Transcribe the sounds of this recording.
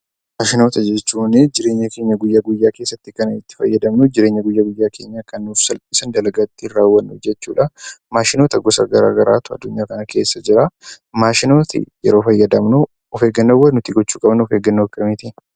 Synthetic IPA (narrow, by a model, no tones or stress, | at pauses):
maːʃɪno̞ːt̪ɐd͡ʒɛt͡ʃːuːnɪd͡ʒɪɾe̞ːɲːɐke̞ːɲːɐɡʊjːɐɡʊjːaːke̞ːsːɐt̪ːɪkɐnɐɪt̪ːɪ̥fɐjːɐd̪ɐmnʊd͡ʒɪɾe̞ːɲːɐɡʊjːɐɡʊjːaːkʰe̞̰ːɲːaːkɐnːuːfsɐlpʼiːsɐnd̪ɐlɐɡɐt̪ːɪɪrːaːwːɐnːʊfd͡ʒɛt͡ʃːṵːᶑɐmaːʃɪno̞ːt̪ɐɡɔsɐ̰ɡɐɾa̰ːɡɐɾaːt̪ʊɐ̰d̪ːʊɲːaːkɐnɐke̞ːsːɐd͡ʒɪɾɐ | maːʃɪno̞ːt̪ɪ̰jɛ̰ɾo̞ːfɐjːɐd̪ɐmnʊ | ɔfe̞ːɡːɐnːoːwːɐnʊt̪ɪɡɔt͡ʃːuːkʼɐbnʊɔfeːɡɐnːoːkʼɐmiːt̪in